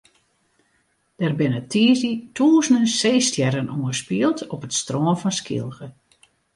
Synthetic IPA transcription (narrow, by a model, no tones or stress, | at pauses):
d̥ɛrbɪnətʰiːzitʰuːəznənseːstjɛɾənʔuəspiəlˠtɔpətstroːnfɔnskʰḭlˠɣə